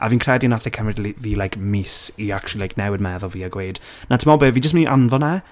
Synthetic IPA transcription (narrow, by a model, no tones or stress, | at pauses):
ʔa̰viːnkʰrɛdinaθɛkʰəmrɪdliviːlajkmisiakt͡ʃulˠilajkʰnɛwɪd̚mɛðɔviːaɡwejd̥ | natʰəmɔlˠbeːviːd͡ʒəstmɪnʔa̰nvɔna